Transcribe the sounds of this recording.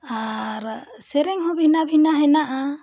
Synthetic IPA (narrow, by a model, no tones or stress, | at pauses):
aɾ | sɛɾɛŋɦɔbinabinaɦɛnaʔa